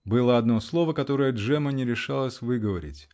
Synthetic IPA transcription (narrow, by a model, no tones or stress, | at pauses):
bɨlˠəɐd̪no̞slˠo̞vəkɐt̪o̞ɾəjəʐɛmənʲɪɾʲɪʂalˠəsʲvɨɡəvɐɾʲɪ̰tʲ